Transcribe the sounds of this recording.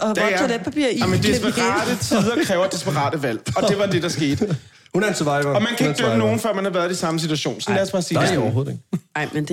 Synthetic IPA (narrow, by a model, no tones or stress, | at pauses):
e̥pʰæpḭɐ̰mend̥isb̥əʁːd̥ət͡sʰiðˠɐkʰʁɛːʊɐd̥esb̥əʁɑ̰̈ːd̥əʋæl̰ɒ̽d̥e̝ʋɑ̈d̥e̝d̥ɑ̈sɡ̥e̝̰ːd̥ | hunnsʰʋɑɪɐɒ̽mænkʰæ̥øməno̝ːn̩fɶ̰ɐ̰mænhɑ̈ʋæːɐðˠisɑ̈məsid̥ʰuæɕo̝̰ːnsɒ̽n̩læɐsb̥ɑ̈ːsiːdeɒɦoð̩ˠɡɪmend̥